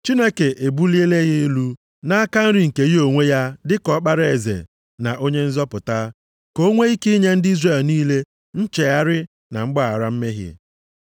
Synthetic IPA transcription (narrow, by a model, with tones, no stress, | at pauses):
t͡ʃi˦ne˦ke˨ʔe˨bu˦li˦e˦le˦ɣɪ˦lu˦ | na˦a˦ka˦n̩˦ɾɪ˦ŋ̩˨ke˨ji˦o˨ŋʷe˦ja˦dɪ˦kɔ˦k͡pa˦ɾe˨zḛ˨ | na˨ʔo˦ɲe˦n̩˦zɔ˦pʊ˨ta˦ | ko˦ŋʷe˦i˦kɪ˦ɲe˦n̩˦dɪ˦i˦zre˨lniː˦le˦ | n̩˦t͡ʃe˨a˦ɾɪ˦ | na˨ŋ͡m̩˦ɡ͡ba˦a˨ɾa˦m̩˦me˦ɦjḛ˨